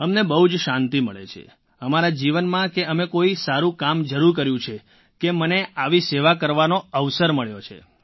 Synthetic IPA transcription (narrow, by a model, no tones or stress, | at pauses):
əmnebəɦud͡ʒʃãnt̪iməɭḛt͡ʃʰḛ | əmaɾad͡ʒiʋənmãkeəmekoisaɾũkamd͡ʒəɾuɾk̬əɾjũt͡ʃʰe | keməneʔaʋiseʋakəɾʋanoəʋsəɾməɭjot͡ʃʰḛ